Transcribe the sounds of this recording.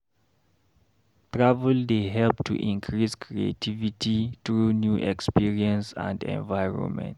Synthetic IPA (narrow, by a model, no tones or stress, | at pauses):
tɹavɛldeɦɛlp̚tʰṵʔĩŋkʰɹiskʰɹiḛtʰivitʰiθɹunjuʔɛkspiɹiɛ̃nsã̰ndɛ̰̃nvajɹɔ̰̃nmɛ̰̃nt